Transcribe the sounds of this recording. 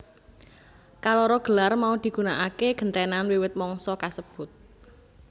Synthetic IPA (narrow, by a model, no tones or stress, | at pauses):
kalɔɾɔɡ̥ə̤larmaud̪̥i̤ɡ̥ṳnaʔakeɡ̥ənt̪ɛnanwiwɪt̪̚mɔŋsɔkasəb̥ʊt̪̚